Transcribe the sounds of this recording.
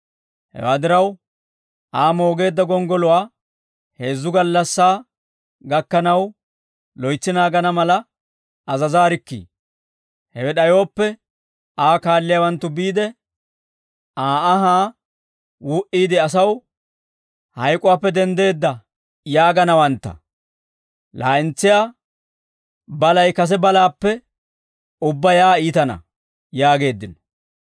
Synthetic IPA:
hɛ̰wa̰ːd̪ɪɾɐw | ʔaːmo̞ːɡe̞ːd̪ːɐɡɔŋɡɔlʊwaː | he̞ːzːʊɡɐlːɐsːaː | ɡɐkːɐnɐw | lɔjt͡sːɪnaːɡɐnɐmɐlɐ | ɐzɐzaːɾɪkːḭː | hɛwɛɗɐjo̞ːpːɛ | aːkaːlːɪjaːwɐnt̪ːʊbiːd̪ɛ | aːɐɦaː | wuːʔiːd̪ɪɐs̬ɐw | hɐjkʼʊwaːpːɛd̪ɛnd̪e̞ːd̪ːɐ | jaːɡɐnɐwɐnt̪ːɐ̰ | lʔa̰ːʔɪnt͡sːɪjaː | bɐlɐjkɐs̬ɛbɐlaːpːɛ | ʊbːɐjaːiːt̪ɐnɐ̰ | jaːɡe̞ːd̪ːɪnɔ̥

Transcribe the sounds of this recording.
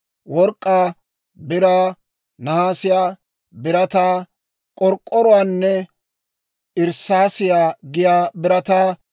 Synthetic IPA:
wɔɾkʼːaː | bɪɾaː | nɐhaːsɪjaː | bɪɾɐt̪aː | kʼɔɾkʼːɔɾɔwaːnːɛ | ʔɪɾsaːsɪjaːɡɪjaːbɪɾɐt̪aː

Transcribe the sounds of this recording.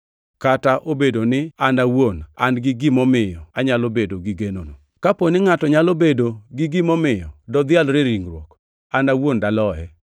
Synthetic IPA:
kataʔobedonɪandawona̰nɡɪɡɪmɔmɪjɔaɲalobedoɡɪɡenono | kaponɪŋatɔɲalobedoɡɪɡɪmɔmɪjɔdɔd̪ɪalɾɪɾiŋɾwo̰k | andawondalɔɛ

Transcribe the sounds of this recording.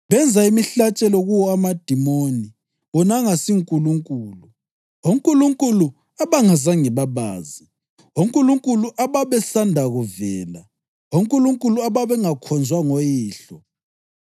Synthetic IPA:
βɛnd͡zʱaimiɬat͡ʃʼɛlɔɣuwɔamad̥ʱimoni | ɔnaŋasiŋkʼuluŋkʼuːlu | oŋkʼuluŋkʼulu | aβaŋazaŋɛβaβa̰ːzi | oŋkʼuluŋkʼuluʔaβaβɛsandʱaɣuvɛːla | oŋkʼuluŋkʼuluaβaβɛŋakʰɔnd͡zʱwaŋojiːɬɔ

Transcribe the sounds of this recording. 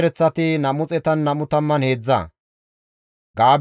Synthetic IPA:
ɾɛt͡sːɐt̪ɪnɐmʊt͡sʼɛt̪ɐnːɐmʊt̪ɐmːɐnhe̞ːd͡zːɐ̰ | ɡaːb

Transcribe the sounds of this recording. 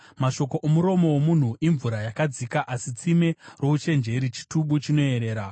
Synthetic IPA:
maʃo̞ko̞ʔomuɾo̞mo̞womun̤uʔiɱvuɾajakad͡zikaʔasit͡sime̞ro̞ut͡ʃe̞nd͡ʒe̞ɾit͡ʃi̥tuɓut͡ʃino̞e̞ɾe̞ːɾa

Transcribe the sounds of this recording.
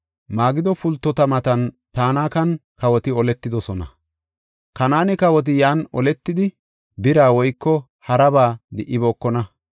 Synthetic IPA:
maːɡɪd̪ɔfʊlt̪ːɔt̪ɐmɐt̪ɐn | t̪aːnaːkɐnkɐwɔt̪ɪɔlɛt̪ːɪd̪ɔsɔnɐ̰ | kɐnaːnɪkɐwɔt̪̬ɪjaːnɔlɛt̪ːɪd̪ɪ | bɪɾaːwɔjkːɔ | hɐɾɐbaːd̪ɪʔːɪbɔːkːɔnɐ

